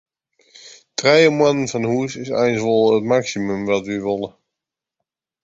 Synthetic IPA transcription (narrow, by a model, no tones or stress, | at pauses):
trɛjəmwɑnənvɑnɦusɪsɛ̰jnzʋɔlˠətmɑksimɵmʋɑtʋəʋɔlˠə